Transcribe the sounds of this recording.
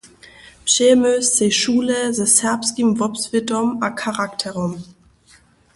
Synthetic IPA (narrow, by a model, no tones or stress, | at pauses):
pʃeːmøst͡seʃuːləzəsɛɐpskimvɔpsv̥ɪdɔmʔakʰaʁaktʰɛʁɔm